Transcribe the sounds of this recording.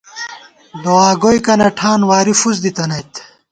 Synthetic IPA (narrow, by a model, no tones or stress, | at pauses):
d̪oaːɡojkɐnɐʈʰaːnwaːɾifuzd̪it̪ɐnɐjt̪